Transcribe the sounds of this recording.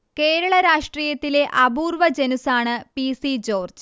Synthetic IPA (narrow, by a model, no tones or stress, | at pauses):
ke̞ːɾɐɭɐɾaːʂʈriːjɐt̪ːile̞ʔɐbuːrʋɐd͡ʑenusaːɳɨpisid͡ʑo̞ːrd͡ʑ